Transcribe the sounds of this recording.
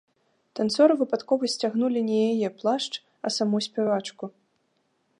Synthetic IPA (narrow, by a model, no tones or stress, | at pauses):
t̪ant̪sɔɾɨvɨpat̪kɔvɐsʲt͡sʲaɣnulʲinʲɛjajɛplˠaʂt͡ʂ | ɐ̰samusʲpʲɛvat͡ʂku